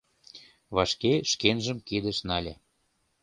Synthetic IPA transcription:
βɑʃkeʃkenʒəmkid̪ə̆ʃnɑlʲe

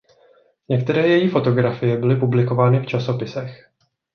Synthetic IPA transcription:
ɲɛkt̪ɛɾɛːjɛjiːfo̞t̪o̞ɡɾafɪjɛbɪlɪpublɪko̞vaːnɪft͡ʃaso̞pɪsɛx

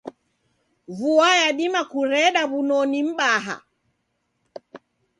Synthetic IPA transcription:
vuajaɗimakuɾɛɗaβunɔnim̩ɓaɦa̰

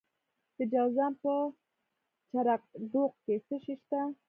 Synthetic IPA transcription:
t̪əd͡ʒawzampə | t͡ʃaɾaq̚ɖ̪oq̚kesəʃiʃt̪a

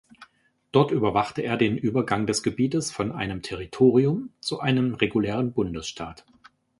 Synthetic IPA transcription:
d̥ɔɐtyːbɐvaχtəeːɐdeːnʔyːbɐɡaŋdɛsɡ̥əbiːtəsfɔnʔa̰ɪnəmtʰɛʁ̞itʰoːʁ̞iʊmt͡suʔaɪnəmʁeɡulɛːʁ̞ənbʊndəsʃtʰaːt

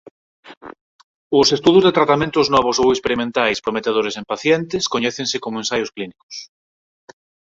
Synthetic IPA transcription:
ʊsest̪uðʊzðet̪ɾat̪amẽnt̪ʊznɔβ̞osowekspeɾimẽnt̪ajspɾomet̪eð̞oɾesempaθjent̪ɪskoɲɛθẽŋsɪkomoẽnsajʊsklinikʊ̥s

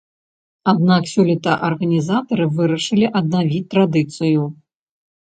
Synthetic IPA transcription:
ad̪naksʲɔlʲit̪ɐʔɐrɣɐnʲizat̪ɐɾɨvɨɾɐʂɨlʲiʔɐd̪navʲit͡sʲt̪ːɾad̪ɨt̪sɨju

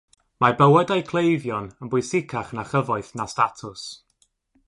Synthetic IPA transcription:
mabəwɛdajkʰlˠejvjɔnənbʊɨsɪkʰaχnaχəvɔɨθnastatʰʊs

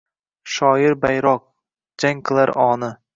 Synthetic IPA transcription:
ʃɒːjɪɾbajɾɒq̚ | d͡ʒaŋkʰɨlˠaɾʔɒːnɪ

